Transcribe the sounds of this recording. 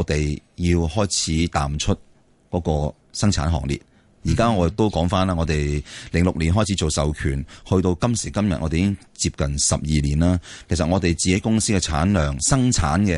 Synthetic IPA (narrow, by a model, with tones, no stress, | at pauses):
t̪e˨jjiː˧whɔː˥jt͡sʰiː˨˥t̪aː˨mt͡ʃʰɵ˥t̚ | kɔː˨˥kɔː˧ | sɐ˥ŋt͡sʰa̰ː˨˥nɦɔ̰ː˨˩ŋ̚lḭː˨˩t̚ | jiː˨˩kaː˥ŋɔː˨˧˨k̚t̪o˥wkɔː˨˥ŋfaː˥nlaː˥ŋɔ˨˧t̪e˨jlɪ˨˩ŋlʊ˨k̚liː˨˩nɦɔː˥jt͡sʰiː˨˥t͡so˨wsɐ˨wkʰyː˨˩nhɵ˧ɥt̪o˧wkɐ˥msiː˨˩kɐ˥mjɐ˨t̚ʔɔ̰ː˧te˨˦ɪ˥ŋ | t͡siː˧p̚kɐ˨nsɐ˨p̚jiː˨liː˨˩nlaː˥kʰe˨˩js̬ɐ˨t̚ŋɔː˨˧t̪e˨jt͡siː˨ke˨˥kʊ˥ŋsiː˥kɛ˧t͡sʰaː˨˥nlœː˨ŋsɐ˥ŋt͡sʰaː˨˥nkɛ˧